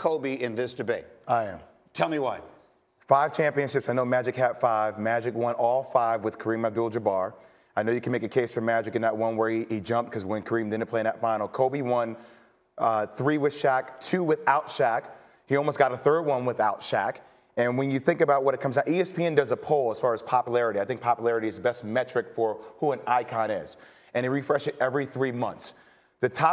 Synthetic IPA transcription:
kʰoʊbiɪ̃nðɪsd̥ɨbeɪt̚aɪɨ̃m | tʰɛlˠmiwaɪ | faɪv̥t͡ʃʰæ̃mpiɨ̃nʃɪpsaɪnoʊmæd͡ʒɨkhætfaɪvmæd͡ʒɨkwʌ̃nɔlˠfaɪvwɨð̥kʰə˞ĩmɨv̚dulˠd͡ʒəbɑɹ | aɪnoʊjɨkɨ̃nmeɪkɨkʰeɪsfə˞mæd͡ʒɨkɨ̃nðət̚wʌ̃nwə˞iid͡ʒʌ̃mp̚t̚kʰʌzwə̃nkʰə˞ĩmdɪdⁿn̩pʰl̥eɪ̃nətfãɪ̃nl̩ˠkʰoʊbiwʌ̃n | ʌθɹiwɨð̥ʃæk̚tʰʉwɪðaʊtʃæk | hiɔlˠmoʊsɡ̥ɑɾəθɜ˞d̚wʌ̃nwɪðaʊtʃæk | ɨ̃nwɨ̃njɨθɪ̃ŋkɨbaʊt̚wʌɾɨt̚kʰʌ̃mzaʊʔiɛspʰiɛ̃ndʌzəpʰoʊlˠəz̥fɑɹɨz̥pʰɑpjəlˠɛɹɨɾiaɪθɪ̃ŋk̚pʰɑpjəlɛɹɨɾiɨzðəbɛst̚mɛt͡ʃɹ̥ɨkfə˞huə̃naɪkʰɑ̃nɪ̰z̥ | ɨ̃ñiɹifɹɛʃɨɾɛvɹiθɹimʌ̃nθs | ðɨtʰɑ

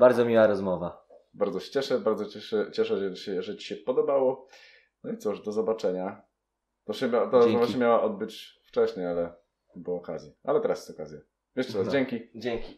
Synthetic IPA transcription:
b̥aɾd̪zɔmʲiwaɾɔzmɔvabaɾd̪zɔɕɛ̥t͡ɕɛʂɛbaɾd̪zɔt͡ɕɛʂɛt͡ɕɛʂɛɛɕɛʐɛt͡ɕi̥ɕɛpɔd̪ɔbawɔ | nɔit̪suʐd̪ɔzɔbat͡ʂɛɲa | t̪ɔɕɛmʲat̪aɾzɔzmɔvaɕɛmʲjawaʔɔd̪̚bɘt͡ɕft͡ʂɛɕɲɛjalɛ | bɔɔːkazʲjiʔalɛt̪ɛɾasjsɔkazʲja | vʲjɛʂtɛasd͡ʑɛŋkʲid͡ʑɛŋkʲi

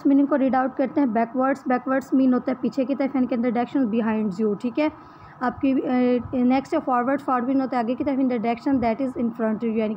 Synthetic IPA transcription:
smɪnɪʈkoɾiɖaʊʈ̚kɐɾt̪eɦɛ̃bɛːkʋəɾɖsbɛːkʋəɾɖsmĩːnɦoːt̪aɦɛ̃piːt͡ʃʰekit̪ɐɾəfɛ̃nikeɪnd̪əɖɛkʃə̃nzbɪɦãːɪ̃ɳɖzjoːʈʰiːkɦɛː | aːb̚ki | nɛksʈefɔːɾʋəɾɖsfɔːɾmĩnɦoːt̪aɦɛɐɡekit̪ɐɾəfɪ̃ndɾəɖɛːkʃə̃nd̪ɛʈɪzɪ̃nfɾə̃ɳʈjuɛni

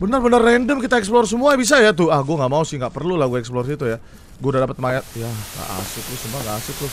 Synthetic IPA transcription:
bənarbənarːɛndəmkit̪aɛksplɔrs̬əmuabis̬ajat̪̬ʊahɡuaŋɡaʔmausɪŋɡaʔpərlulahɡuaɛksplɔrit̪uja | ɡuadadapət̪̚maat̪̚jaŋɡa̰ʔa̰sʊt̪ɾʊsəmaŋɡaʔasʊt̪ɾʊs

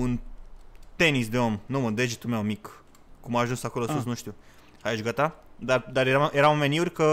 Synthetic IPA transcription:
un | t̪enisd̪e̞omnuməd̪ed͡ʒit̪umewmik | kumaːʒunsakolosus̬nũʃt̪ʲu | hajʒɡat̪ad̪ard̪aɾjeɾamjeɾamomeniurʲkə

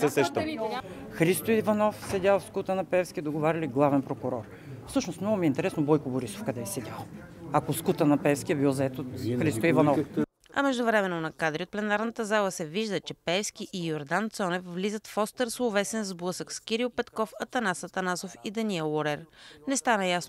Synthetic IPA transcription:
sɛsɛʃt̪ə | xɾist̪oivɐnɔfsɛdʲalˠfskut̪ənɐpɛfskʲiɛd̪oɡovaɾʲɐliɡlˠavɛnpɾokʊɾɔɾ | fsɤʃnosmnɔɡʊmiɛint̪ɛɾɛsnobɔjkoboɾiso̥fkɐd̪ɛɛsɛdʲalˠ | ɐkoskut̪ənɐpɛfskʲiɛbilˠzɐɛt̪oxɾist̪oivɐnɔf | ɐ̰mɛʒd̪ʊvɾɛmɛnːonɐkad̪ɾiot̪̚plɛnaɾnət̪əzalˠəsɛviʒd̪ət͡ʃɛpɛfskʲiʔijoɾd̪ant̪sɔnɛfvlizət̪fɔst̪ɛɾsovɛsɛnzblˠɤsəkskʲiɾiʊpɛt̪kɔfɐt̪ɐnasɐt̪ɐnasofid̪ɐniɛlˠːoɾɛɾnɛst̪anəjasno

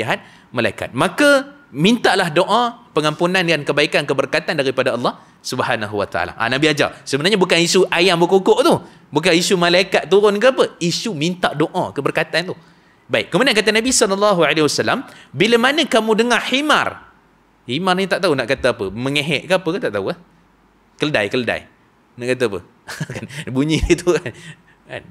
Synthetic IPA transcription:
iɦat̪̚ | malaika̰t̪̚mãkə | mint̪aʔlahdoʔãpəŋampunãnkankəbaikankəbərkat̪andaɾipadaɑlˠːɑh | subhanaɦuwa̰t̪a̰ʔa̰la̰ʔa̰nabiad͡ʒa̰rsəbənarɲabukanisuʔajambəkukoʔt̪uh | buk̬anisumãlaikat̪̚t̪ːuɾʊnkəapəisumint̪aʔdoʔã̰kəbərkat̪ant̪ʊ | baikkːəmudankat̪anabisɔlɔlːɑɦualewasalːambiləmanə̃kamũdəŋahima̰r | himarɲat̪aʔt̪aunaʔkat̪aapəmə̃ŋeɦɛʔ̪̚kəapəkət̪aʔt̪auah | kələda̰jkələda̰j | naʔkat̪aapə̰ | kanbuɲĩt̪ukan | ka̰n

